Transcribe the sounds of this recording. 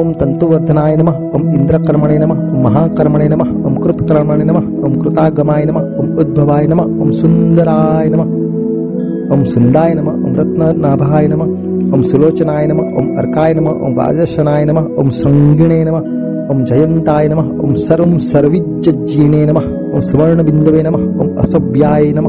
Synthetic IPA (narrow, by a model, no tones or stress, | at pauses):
oːmt̪ɐnt̪uʋɐɾd̪ʱɐnaːjɐnɐmɐɦoːmind̪ɾɐkɐɾmɐɳeːnɐmɐɦo̰ːmːɐɦaːkɐɾmɐɳeːnɐmɐ | o̰ːmkɾut̪kɐɾɐmɐɳeːnɐmɐ | oːmkɾɪt̪aːɡɐmaːjɐnɐmɐoːmud̪̚bʱɐʋaːjɐnɐmɐoːmsund̪ɐɾaːjɐnɐmɐ | oːmsund̪aːjɐnɐmɐo̰ːmɾɐt̪nɐnaːbʱaːjɐnɐmɐ | oːmsuloːt͡ʃɐnaːjɐnɐmɐo̰ːmɐ̰ɾkaːjɐnɐmɐo̰ːmʋa̰ːd͡ʒɐʃɐnaːjɐnɐmɐo̰ːmsɐŋɡiɳeːnɐmɐ | oːmd͡ʒɐjɐnt̪aːjɐnɐmɐɦo̰ːmsɐɾomsɐɾʋid͡ʒjɐd͡ʒiːneːnɐmɐ | oːmsuʋɐɾɳɐbind̪ɐʋeːnɐmɐo̰ːmɐ̰sɐbjaːjnɐmɐ